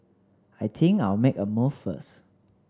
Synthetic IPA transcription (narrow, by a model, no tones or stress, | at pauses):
ajt̪ʰĩŋkaɪlmekəmoffə̰s